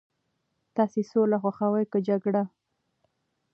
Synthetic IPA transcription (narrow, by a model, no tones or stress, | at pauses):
t̪ɑsesolaxwaxawajkəd͡ʒaɡɽa